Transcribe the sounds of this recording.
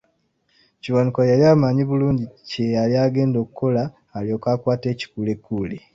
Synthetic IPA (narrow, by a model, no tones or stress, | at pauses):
ciwanikajaliaːmaɲiβuluːɲɟicejaliaːɡe̞ːndo̞ːkuko̞laː | lio̞ːkaːkwaːte̞ːci̥kule̞kːule